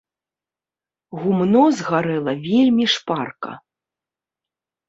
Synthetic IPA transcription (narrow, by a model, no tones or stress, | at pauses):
ɣumnɔzɣaɾɛlˠɐvʲelʲmʲiʂparkɐ̰